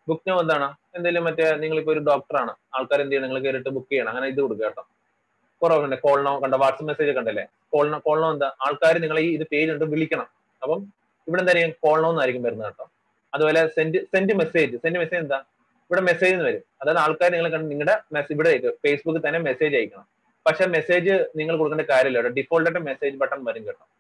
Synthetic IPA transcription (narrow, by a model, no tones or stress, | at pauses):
bukːnɐmɐnd̪aːɳɨ | e̞nd̪aːjilumpɐtːeniŋːɐɭip̬ːoːoɾuɖo̞ːk̚ʈɐraːɳɨaːɭkaːɾend̪ɐjumniŋːɐɭk̬eːɾiʈːɨbukːejaːɳɐŋːɐːneiðɨkoɽuk̬ːeːʈːoː | purɐʋɐɐɳnːɖeko̞ːɭnoːkɐɳɖɨʋaːʈsɐmːese̞ːd͡ʑɨkɐɳɖɐlːe | ko̞ːɭnɐko̞ːɭnoɐnd̪ɨʔaːɭkaːɾɨniŋːɐɭiːiðɨpe̞ːd͡ʑuɳʈːɨʋiɭikʲːɐɳɐm | ɐpːɐm | iʋiɽend̪aːɾijumko̞ːɭnoːnːaːɾikʲːumpɐɾunːeːʈːoːm | ɐðuboːle̞sendɨsendɨme̞se̞ːd͡ʑɨsendɨmeseːd͡ʑend̪a | iʋiɽe̞me̞se̞ːd͡ʑenːɨʋɐɾumɐðajɐðɨaːɭkaːɾɨniŋɐɭekːɐɳɖɨniŋːɐɽemesiʋiɽeekːɨfeːsbukːɨt̪ɐnːe̞mese̞ːd͡ʑɐːjikʲːɐɳɐm | pɐkʂe̞mese̞ːd͡ʑɨniŋːɐɭkoɽukːnɳɐɖekaːɾjɐmilːeʋɽɐɖifoːɭʈeʈːɨme̞se̞ːd͡ʑɨpɐʈːɐnʋɐɾuŋɡeʈːɐ